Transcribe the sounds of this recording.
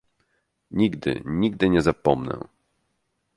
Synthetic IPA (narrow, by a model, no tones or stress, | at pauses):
ɲiɡd̪ɘ̰ɲiɡd̪ɘɲɛzapɔmnɛ̰̃